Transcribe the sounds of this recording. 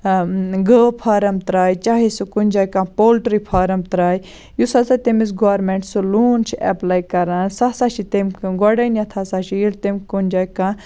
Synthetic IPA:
ɡəːpʰaːɾɐmt̪ɾaːjt͡ʃaːɦisukunʲd͡ʒaːjkãːpoːlʈɾipʰaːɾɐmt̪ɾaːj | jusat͡sat̪emis̬ɡaːɾmeɳʈsuluːnt͡ʃʰiɛ̰plaːjkɐɾãnsasaʃit̪emkɡoɖɐnjat̪ʰasaʃiilt̪emkunʲd͡ʒaːjkãː

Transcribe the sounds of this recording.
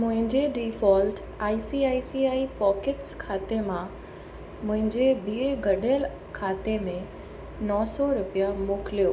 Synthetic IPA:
mʊ̃ɦɪ̃ɲd͡ʑeɖiːfɔːlʈ | aːisiaːisiaːipɔːkɪʈskʰaːt̪emã | mʊ̃ɦɪ̃ɲd͡ʑebieɡɐɗejəl | kʰaːt̪emẽ | nɔːsɔɾʊpijamʊːkɪlijoː

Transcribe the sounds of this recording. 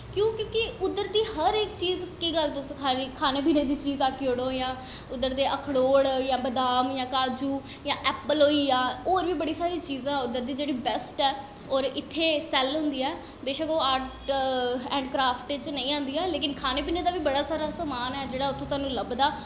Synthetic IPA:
kjõːkjõːkɪʊd̪ːəɾd̪iːhəɾɪkt͡ʃiːzkiːɡəlt̪ʊskʰaikʰaːneːp̬iːneːd̪iːt͡ʃiːzaːkioːɽõjãː | ʊd̪ːəɾd̪eːʔəkʰɽoːɽjãːbəd̪aːmjãːkaːd͡ʒuː | jãːʔɛːpəlɦoːiːãːoːɾʋiːbəɽiːsaːɾĩːt͡ʃiːzãːʊd̪əɾd̪iːd͡ʒeːɽiːbɛsʈɛː | ɔːɾɪt̪ʰːeːsɛlɦʊ̃nd̪iːɛː | beːʃəkoːaːɾʈ | ɛ̃ːɳɖkɾaːpʰʈːt͡ʃnəĩːãːnd̪iːɛːleːkɪnkʰaːneːp̬iːneːd̪aːʋiːbəɽaːsaːɾaːsaːmaːnɛːd͡ʒeːɽaːʊt̪ʰːʊ̃ːsaːnũːləbd̪aː

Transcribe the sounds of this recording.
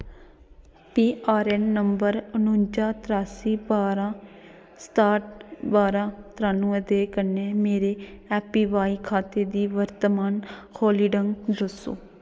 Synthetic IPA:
piːaːɾɛːnːəmbəɾənʊ̃ɲd͡ʒaːt̪ɾaːsiːbaːɾã | sʈaːʈbaːɾãːt̪ɾaːnũːd̪eːkəneːmeːɾeːɛːpiːʋaːikʰaːt̪eːd̪iːʋəɾt̪əmaːnkʰoːliːɖəŋɡd̪əso̰ː

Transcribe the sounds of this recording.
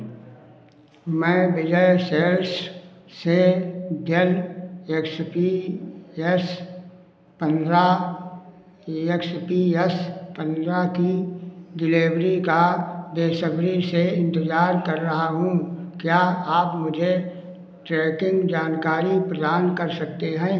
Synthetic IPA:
mɛ̃ːbɪd͡ʒəseːlssed̪ʱjəlekspi | ɛs | pə̃nd̪ɾa | ekspiɛspə̃nd̪ɾakidɪleːʋɾikabeːsəbɾiseɪ̃nt̪əd͡ʒaːɾkɐɾːɐɦaɦũkjaːaːpmʊd͡ʒʱe | ʈɾɛːkɪ̃ŋɡd͡ʒaːnkaːɾipɾəd̪aːnkɐɾsɐk̚t̪eɦɛ̃ː

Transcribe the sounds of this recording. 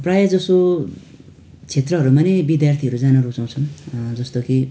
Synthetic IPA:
prajʌd͡zʌso | t͡sʰet̪rʌɦʌɾumanebid̪jart̪ʰiɦʌɾud͡zanʌɾut͡saw̃t͡sʰʌnd͡zʌst̪oki

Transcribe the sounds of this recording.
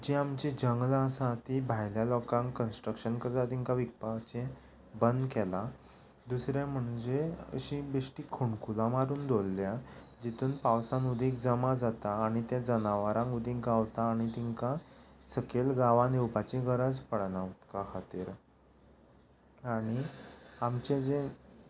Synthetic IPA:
d͡ʑiamt͡ɕed͡ʑəŋɡlasãt̪ibʱajljalɔkãŋkənsʈɾəkʂənkəɾt̪at̪iŋkaʋik̚pat͡ɕẽ | bənd̪kɛla | d̪usɾjam̤əɳd͡ʑeə̰ɕĩbeʂʈiːkʰoɳkulamaɾuːnd̪ʱolːja | d͡ʑit̪ʰuːnpawsãnud̪ʱĩːkd͡zəmad͡zat̪aːɽ̃it̪ɛ̃d͡zənaʋaɾãŋud̪ʱĩːk̚ɡaʋt̪aːɽ̃it̪iŋkasəkelɡaʋãnewpat͡ɕĩɡʱəɾad͡zpəɽnaʋt̪kakʰat̪iːɾ | aɽ̃iamt͡ɕed͡ze

